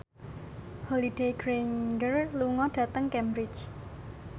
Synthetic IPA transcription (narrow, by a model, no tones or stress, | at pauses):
hɔlid̥ejɡ̥ɾeŋɡərluŋɔɖ̥ä̤t̪əŋkɛmbɾɪt͡ʃ